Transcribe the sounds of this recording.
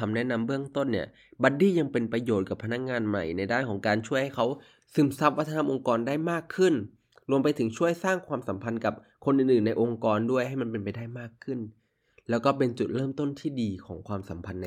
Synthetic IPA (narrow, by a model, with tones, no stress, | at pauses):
a˧mnɛ˦˥ʔna˧mbɯ˥˩əŋt̪o˥˩nːi˥˩ɐ | ba˨˧˥t̪̚diː˥˩ja˧ŋpe˧npɾa˧joː˨˩t̪̚ka˨˩pʰːa˧na˦˥k̚ŋaː˧nma̰˨˩jna˧jdaː˥˩nkʰɔː˩˦ŋkaː˧nt͡ɕʰu˥˩əjha˥˩jkʰa˦˥w | sɯ˨˩˦msa˦˥p̚wa˦˥t̪ʰːnʰa˧˥mʔo˧ŋkɔː˧ndaː˥˩jmaː˥˩kʰːɯ˥˩n | ɾu˧əmpa˧jt̪ʰɯ˩˦ŋt͡ɕʰu˥˩əjsaː˥˩ŋkʰwaː˧msa˨˩˦mpʰa˧nka˨˩p̚ | kʰo˧nʔɯː˨˩nʔɯː˨˩nːa˧jʔo˧ŋkɔː˧ndu˥˩əjɦa˥˩jma˧npe˧npa˧jdaː˥˩jmaː˥˩kʰːɯ˥˩n | lɛː˦˥wkɔː˥˩pe˧nt͡ɕu˨˩t̪̚ɾɤː˥˩mt̪o˥˩nt̪ʰiː˥˩diː˧kʰɔː˩˦ŋkʰwaː˧msa˩˦mpʰa˧nːa˧